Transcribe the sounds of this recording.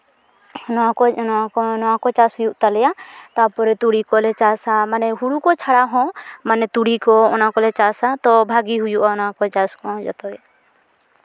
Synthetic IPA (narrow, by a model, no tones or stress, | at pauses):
nɔaɔaɔnɔwakɔt͡ʃashujuʔt̪alɛjat̪apɔɾɛt̪uɽikɔlɛt͡ʃasamanɛɦuɽukɔt͡ʃʰaɽaɦɔ̃manɛt̪uɽikɔɔnakɔlɛt͡ʃasat̪ɔbʱaɡiɦujuʔaɔnakɔt͡ʃaskɔ̃d͡ʒɔ̰t̪ɔja